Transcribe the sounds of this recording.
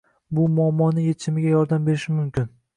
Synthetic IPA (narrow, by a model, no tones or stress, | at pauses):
bʊmʊamːɒnɪjet͡ʃʰɪmɪɡʲajɒɾd̪ambe̞ɾɪʃɪmʊmkʲɪn